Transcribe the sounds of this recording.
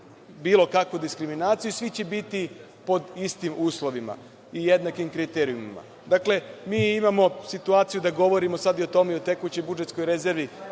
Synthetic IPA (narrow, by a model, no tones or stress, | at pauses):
biːlˠo̞kakʋud̪iskɾiminaːt̪sijusʋit͡ɕebit̪i | po̞d̪ist̪imuːslˠo̞ʋima̰ | ije̞d̪nakimkɾit̪eɾiumima̰ | d̪akle̞miːimamo̞sit̪uaːt̪sijud̪aɡo̞ʋo̞ɾimosad̪iot̪o̞meio̞t̪e̞kut͡ɕo̞jbud͡ʒe̞t̪sko̞jɾe̞ze̞ɾʋi